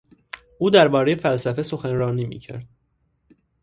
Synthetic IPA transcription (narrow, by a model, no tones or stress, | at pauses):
ʔuːd̪æɾbɒːɾejefælsæfeso̞xænɾɒːniːmḭːcʰæ̰ɾd̪̥̚